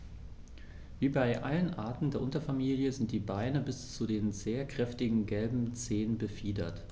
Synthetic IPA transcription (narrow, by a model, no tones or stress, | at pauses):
viːbaɪʔalənʔa̰ːɐtn̩deːɐʔʊntɐfamiːljəzɪnt̚d̥iːbaɪnəbɪst͡sudeːnzeːɐkʁ̥ɛftɪɡŋ̩ɡɛlbm̩t͡seːnbəfiːdɐ̰t